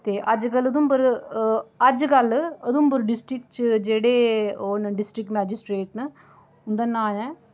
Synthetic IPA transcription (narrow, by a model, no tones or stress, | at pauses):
t̪eːʔɐd͡ʒkɐlɐd̪umbɐɾ | ɐd͡ʒkɐlːɐd̪umbɐɾɖɪsʈɾik̚ʈt͡ʃd͡ʒeːɽeːoːnɖɪsʈɾik̚ʈmaːd͡ʒisʈɾeːʈnɨ | ʊnd̪anaːjãː